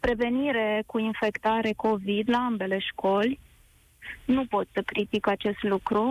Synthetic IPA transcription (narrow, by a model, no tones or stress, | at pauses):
pɾe̞ve̞niɾe̞kuinfe̞kt̪aɾe̞ko̞vid̪laambe̞le̞ʃko̞lʲ | nupo̞t̪səkɾit̪ikat͡ʃe̞st̪lukɾu